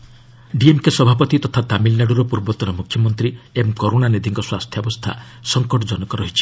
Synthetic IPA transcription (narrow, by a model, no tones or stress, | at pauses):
ɖiemkesɔbʱapɔt̪it̪ɔt̪ʰat̪amilnaɽuɾɔpuɾbɔt̪ɔɾɔmukʰːjɔmɔnt̪ɾiemkoɾonanid̪ʱiŋkɔswast̪ʰjɔbɔst̪ʰa̰ | sɔŋkɔʈɔd͡ʒɔnɔkɔɾɔɦit͡ʃʰi̥